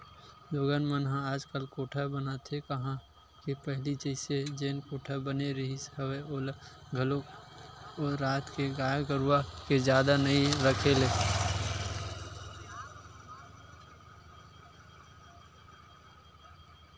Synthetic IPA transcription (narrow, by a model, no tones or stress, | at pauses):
loːɡənmənɦãaːd͡ʒkəlkoːʈʰabənat̪ʰekɐɦã | kepəɦlit͡ʃəɪsed͡ʒeːnkoːʈʰabəneɾəɦisəweoːlɡʱəlok | ɔːaːt̪keɡaːjaɡəɾaked͡ʒjaːd̪anəĩɾəkʰeleː